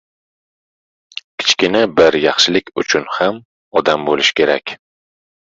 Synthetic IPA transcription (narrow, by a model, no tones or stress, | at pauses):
kʲʰɪ̥t͡ʃkʲɪnabɪɾjɑχʃɪlɪkʲʊt͡ʃʰʊnham | ɒd̪ambolɪʃkʲʰe̞ɾakʲ